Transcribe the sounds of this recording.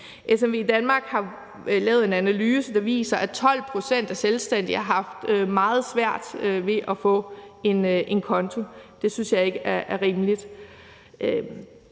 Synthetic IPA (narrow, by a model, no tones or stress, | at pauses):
ʔes̬emʋe̝̰id̥ænmɑ̈ːɡ̥hɑ̈ | lɛːʊð̩ˠe̝nænælyːsəd̥ɑ̈ʋḭːsɐʔæt͡sʰɒ̽l̰pʰʁo̝sen̰d̥æselsd̥æn̰d̥ihɑ̈ɦɑ̈fd̥ømɑ̈ːð̞̩ˠsʋæɐ̰d̥øʋe̝ʔɒfɔ̰̽ːe̝nʔe̝nkʰɒ̽nt͡sʰo̝d̥e̝synsjɑ̈ɪe̝ɡ̥əæɐʔæɐʁiːməlid̥ | ø